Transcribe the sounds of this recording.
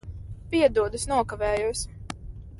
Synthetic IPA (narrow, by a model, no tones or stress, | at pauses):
piɛd̪uɔd̪usnuɔkavɛːjus